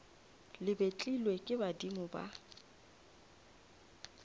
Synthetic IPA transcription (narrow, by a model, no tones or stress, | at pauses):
lɪbet͡ɬʼilwekʼɪbadimʊba̰